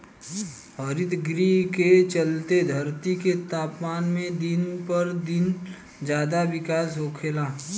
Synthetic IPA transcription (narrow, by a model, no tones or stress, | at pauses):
ɦəɾɪt̪ɡɾiːket͡ʃəlt̪ed̪ʱɐɾt̪iket̪aːpmaːnmẽd̪ɪnpəɾd̪ɪn | d͡ʒjaːd̪aʋɪkaːsɦoːkʰeːlaː